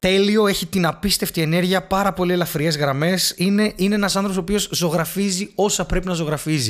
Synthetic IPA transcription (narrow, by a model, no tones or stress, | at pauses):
t̪e̞lio̞e̞çit̪inɐpist̪e̞ft̪ie̞ne̞ɾʝiɐpɐɾɐpo̞lie̞lɐfɾie̞zɣɾɐme̞sineine̞enɐsɐnθɾoposopiozzo̞ɣɾɐfizio̞sɐpɾe̞pinɐzo̞ɣɾɐfizi